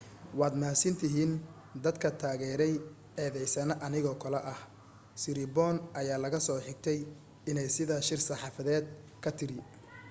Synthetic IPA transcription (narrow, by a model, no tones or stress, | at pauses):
wɑːd̪maːsɪnt̪ʰɪɦiːn | d̪ɐd̪kʰɐt̪ʰaːɣɛːɾɛj | ɛːðɛjsɐnɐʔɐnɪɣɔːkʰɐlɐʔɐh | sɪɾɪbɔːnɐjaːlɐɣɐsɔːħɪɡ̚t̪ʰɛj | ɪnɛjsɪðɐʃɪrsɑħɑːfɐðɛːd̪̚ | kʰɐt̪ʰɪɾɪ